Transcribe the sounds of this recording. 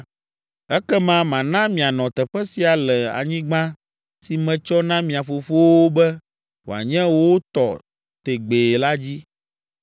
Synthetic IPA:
ɛ˦kɛ˦mã˦mã˨nã˦mĩ˨a˨nɔ̃˨t̪ɛ˨ɸɛ˦si˨a˨lɛ˨a̰˨ɲĩ˦ɡ͡bã˦ | si˨mɛ̃˨t͡ʃɔ˦nã˦mĩ˨a˨fo˨fo˦wo˦bɛ˦ | wo̰˨a̰˨ɲɛ̃˦wo˦o˦t̪ɔ˨ | t̪e˨ɡ͡be˨la˦d͡ʑi˦

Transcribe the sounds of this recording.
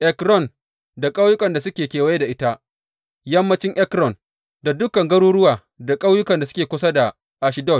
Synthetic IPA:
ʔɛ˨kɾɔ˦˨n | da˨kʼa˦wjʊ˦kʼɐ˨nda˨sʊ˦kʲeː˨kʲeː˨wa˦jda˨ʔɪ˦ta˦ʔ | jɐ˦mːɐ˦t͡ʃɪ˦ŋʔɛ˦kɾɔ˨n | da˨dʊ˦kɐ˨ŋɡɐ˦ɽuː˦ɽʊ˦waː˨ | da˨kʼa˦wjʊ˦kɐ˨nda˨sʊ˦kʲeː˨kʷʊ˦sa˦da˨ | ʔa˨ʃɪ˨˦dɔ˦˨t̚

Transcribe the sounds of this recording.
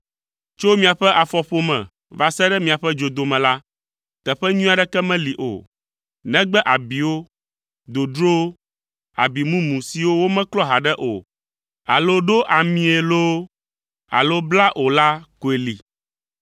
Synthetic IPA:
t͡ʃo˦mĩ˦a˨ɸɛ˦ʔa˨fɔ˨ɸo˦mɛ̰̃˨ | va˨sɛ˦ɖɛ˦mĩ˨a˨ɸɛ˦d͡ʒo˨d̪o˨mɛ̃˨la˦ | t̪ɛ˨ɸɛ˦ɲũ˦a˨ɖɛ˦kɛ˦mɛ̃˦li˨ʔo̰˨ | nɛ̃˦ɡ͡bɛ˦ʔa˨bi˨wo˦ | d̪o˨d̪ɾo˦ | a̰˨bi˨mũ˦mũ˨si˨wo˦wo˦mɛ̃˦klɔ˦ɦa˨ɖɛ˦ʔo̰˨ | a̰˨lo˦ɖo˦ʔa˨mĩ˦e˨lo˦ | a̰˨lo˦bla˦ʔo˨la˦ko˨e˨li˨

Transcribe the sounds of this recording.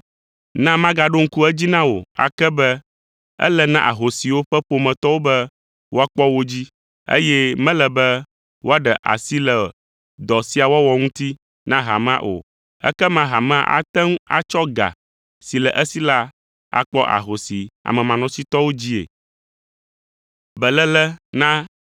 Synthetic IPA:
nã˦mã˦ɡa˨ɖo˦ŋ̩˦ku˦ɛ˦d͡ʑi˦nã˦wo̰˨a̰˨kɛ˦bɛ˦ | ɛ̰˦lɛ˦nã˦ʔa̰˨ɦo˨si˨wo˦ɸɛ˦ɸo˨mɛ̃˨t̪ɔ˦wo˦bɛ˦ | wo˦a˦k͡pɔ˦wo˦d͡ʑi˦ | ḛ˦jɛ˦mɛ̃˦lɛ˨bɛ˦ | wo˦a˦ɖɛ˨ʔa̰˨si˦lɛ˨ | d̪ɔ˨si˦a˨wɔ˦wɔ˨ŋũ˦t̪i˦ | nã˦ɦa˨mã˦ʔo̰˨ | ɛ̰˦kɛ˦mã˦ɦa˨mã˦ʔa̰˦t̪ɛ˦ŋ˦a̰˨t͡ʃɔ˦ɡa̰˨ | si˨lɛ˨ʔə˦si˦la˦ | a̰˨k͡pɔ˦ʔa̰˨ɦo˨si˨a̰˨mɛ̃˨mã˨nɔ̃˨si˦t̪ɔ˦wo˦d͡ʑi˦ḛ˨ | bɛ˨lɛ˦lɛ˦nã˦

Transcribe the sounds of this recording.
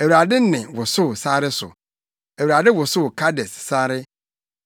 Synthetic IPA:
æ˨wu˨ɾa˨dɪ˦nɪ̃˨wʊ˨sʊ˦˨saː˦ɾɪ˦sʊ̰˨ | æ˨wu˨ɾa˨dɪ˦wʊ˨sʊ˦˨kʰa˦dɛ˨ssaː˦ɾɪ˦

